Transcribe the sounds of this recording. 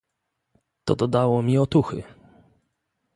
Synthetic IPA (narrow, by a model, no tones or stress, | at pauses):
t̪ɔ̰d̪ɔd̪awɔmʲiɔt̪uxɘ̰